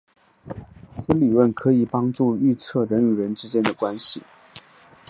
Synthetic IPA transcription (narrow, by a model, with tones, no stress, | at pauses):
sɹ̩˥li˨˩wə˥˩nkʰɤ˧˥i˨˩pɑ˥ŋʈ͡ʂu˥˧y˥˧t͡sʰɤ˥˩ɻə˧˥nu˨˩ɻə˧˥nʈ͡ʂɻ̩˥t͡ɕjɛ˥nd̪ə˨kwa˥nɕi˨˩